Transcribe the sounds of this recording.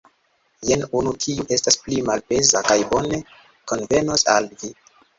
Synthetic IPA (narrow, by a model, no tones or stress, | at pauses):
jenunutʰiuʔe̞stasplimalpe̞zakajbo̞ne̞ | ko̞nve̞nosa̰lvi